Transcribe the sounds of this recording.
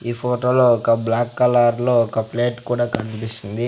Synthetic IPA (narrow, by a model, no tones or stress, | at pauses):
iːpʰoːʈoːloːɔkɐblaːkːɐlaːɾlo̞ːɔkɐpleːʈkuːɽaːkɐnipist͡ʃ̪ind̪i